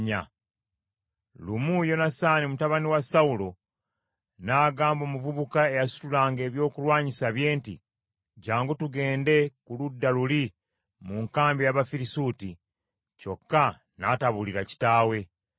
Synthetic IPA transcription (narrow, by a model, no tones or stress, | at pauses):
ɲa̰ | lumujo̞nasaːnimutaβaniwasaulo̞ | naːɡaːmbo̞ːmuvuβukae̞jasu̥tulaːŋɡe̞ːβjo̞ːkulwaːɲisaβje̞ːntḭ | ɟaːŋɡutuɡe̞ːnde̞kuludːaluli | muŋkaːmbijaβafiɾisuːti | co̞kːa | nataβuliɾaci̥taːwe̞